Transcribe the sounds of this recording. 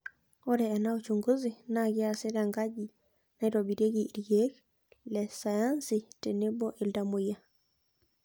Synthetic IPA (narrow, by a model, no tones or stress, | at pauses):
ɔɾɛːnaot͡ʃuŋɡuzinaɣeaseɾaŋɡaɟi | naiɾɔbiɾeɣiɾɡek | lɛsajansitenebɔʔeldamoia